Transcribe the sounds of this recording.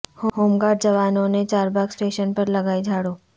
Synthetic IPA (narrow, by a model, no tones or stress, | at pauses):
hoɦoːmɡaːɾɖd͡ʒɐʋaːnõnet͡ʃaːɾbaːɡsʈeːʃənpɐɾlɐɡaːid͡ʒʱaːɽuː